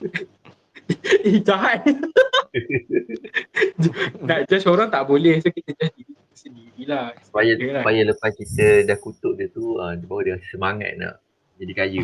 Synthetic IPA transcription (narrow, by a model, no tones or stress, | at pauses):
id͡ʒaɦa | nad͡ʒasoɾaŋt̪aʔbolɛhsokit̪əd͡ʒasdidik̪əsəndiɾilahsu̥pajaslapajələpaskit̪ədahkut̪ʊʔ̚dət̪uəmbawadəŋasəmaŋa̰t̪̚na̰ | d͡ʒadikajə